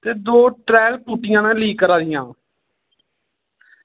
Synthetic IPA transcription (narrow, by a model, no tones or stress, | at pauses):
t̪eːd̪oːʈɾɛːlpuːʈːɪjãːnãːliːkːəɾaːd̪ɪjãː